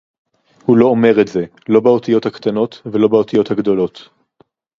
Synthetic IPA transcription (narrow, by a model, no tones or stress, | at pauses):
hulo̞ome̞ʁetze̞ | lo̞beot̪ijo̞thakt̪ano̞t̪velo̞beo̞t̪ijo̞thaɡd̪o̞lo̞t̪